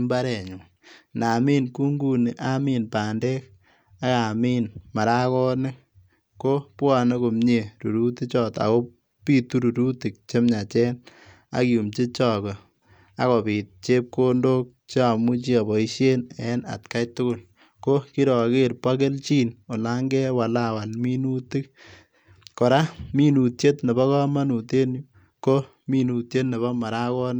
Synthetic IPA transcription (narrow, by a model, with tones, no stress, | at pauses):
mba˦ɾɛ˨ɲu˨ | na˨mi˦nku˦ŋɡu˦ni˨ʔa˦mi˦npaː˨ndɛ˦k̚ | a˦ka˨miː˦nma˨ɾa˦kɔ˦nɪ˦ | ko˦pwɔ˦ne˦ko˨mɲe˨ɾu˨ɾu˦ti˦t͡ʃɔ˦ta̰˨ko˦ | pi˦tu˦ɾu˨ɾu˦ti˨k̚t͡ʃe˦mɲa˨t͡ʃɛ˦n | a̰˨ki˨u˨mt͡ʃi˦t͡ʃɔ˦˨kɔ˨ | a̰˨˦kɔ˨bi˨t̚t͡ʃe˦p̚ko˦ndo˦k̚t͡ʃe˦a˨mu˦t͡ʃi˦a˨bɔ˨i˦ʃe˦nɛ˦na̰˨tka˦jtʊ˦kʊ˦˨l | ko˦ki˦ɾɔ˨ke˦ɾpa˦k̬e˦lt͡ʃiː˦no˨la˦ŋɡɛ˦wa˨la˦wa˨lmi˦nu˦ti˦k | kɔ˨ɾa˦mi˦nu˨tje˦tne˨bɔ˦ka˦ma˦nu˨te˦n˦ | ko˦ | mi˦nu˨tje˦tne˨βɔ˦ma˨ɾa˦kɔ˦n